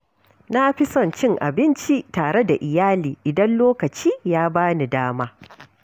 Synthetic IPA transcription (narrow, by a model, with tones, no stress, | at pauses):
na˦ɸɪ˦sɔ˨nt͡ʃɪ˦ŋʔa̰˨bɪ˦nt͡ʃi˦taː˨ɽe˦da˨ʔɪ˨jaː˦liː˨ʔɪ˨dɐ˦nloː˦kɐ˨t͡ʃiː˦jaː˦baː˦ni˨daː˦maː˦